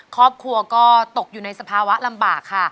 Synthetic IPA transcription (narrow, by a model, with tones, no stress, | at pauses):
kʰɔː˥˩p̚kʰu˧ɐkɔː˥˩t̪o˨˩k̚juː˨˩na˧jsa˧pʰaː˧wa˦˥ʔla˧mbaː˨˩kʰːa˥˩